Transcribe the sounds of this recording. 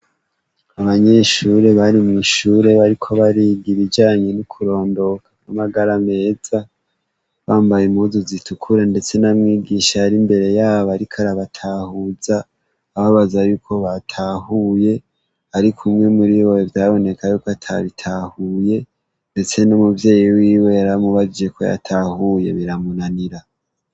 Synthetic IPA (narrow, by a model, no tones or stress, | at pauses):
aβaɲe̞ʃuɾe̞βaɾimŋiʃuːɾe̞βaɾikʰo̞βaɾiɡiβid͡ʒaːɲe̞nukʰuɾo̞ːndo̞kʰanamaɡaɾame̞ːz̥a | βaːmbajemuzuzitukʰuɾende̞t͡se̞namŋiːɡiʃaːɾimbe̞ɾe̞jaːβaɾikʰaɾaβatʰahuzaː | βaβazajuːkʰo̞βatʰaːhuje̞ | aɾikʰumŋe̞muɾiwowevjaːβo̞ne̞kajuːkatʰa̰βitʰahuje̞ | nde̞t͡se̞nomuvje̞ːjiwiːwe̞aɾamuβad͡ʒije̞ko̞̰ja̰tʰahuje̞̰βiɾamunaniɾa